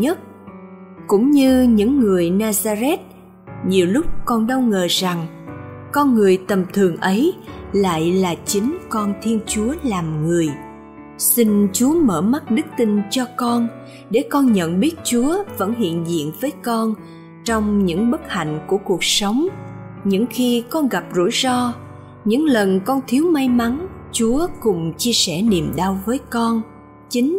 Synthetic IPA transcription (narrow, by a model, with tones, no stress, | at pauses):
ɲə˦˥t̚ | kʊ̰˧˥ŋ͡mɲɨ˧ɲɨ̰˧˥ŋːɨ˨˩əjnaː˧zaː˧zɛ˦˥t̚ | ɲi˨˩əwlʊ˦˥k͡p̚kɔ˧nɗə˧wŋəː˨˩za˨˩ŋ | kɔ˧nŋɨ˨˩əjt̪ə˨˩mt̪ʰɨ˨˩əŋʔə˨˦jla̰ː˧˨jlaː˨˩t͡ɕï˨˦ŋ̟kɔ˧nt̪ʰi˧ənt͡ɕu˨˦əlaː˨˩mŋɨ˨˩əj | si˧nt͡ɕu˨˦əməː˧˩ma˦˥t̚ɗɨ˦˥k̚t̪i˧nt͡ɕɔ˧kɔ˧n | ɗe˧˩kɔ˧nɲə̰˧˨nɓi˦˥ət̚t͡ɕu˨˦əvə̰˧˥nɦḭ˧˨ənzḭ˧˨ənvəː˨˦jkɔ˧n | t͡ɕɔ˧wŋ͡mɲɨ̰˧˥ŋɓə˦˥t̚ha̰˧˨jŋ̟ku˧˩əku˨˩ək̚sə˨˦wŋ͡mɲɨ̰˧˥ŋxi˧kɔ˧nɣa˨˩p̚zṵ˧˩jzɔ˧ | ɲɨ̰˧˥ŋlə˨˩nkɔ˧nt̪ʰi˨˦əwma˧jma˨˦nt͡ɕu˨˦əkʊ˨˩ŋ͡mt͡ɕi˧əsɛ˧˩ni˨˩mɗa˧wvəː˨˦jkɔ˧n | t͡ɕi˨˦ŋ̟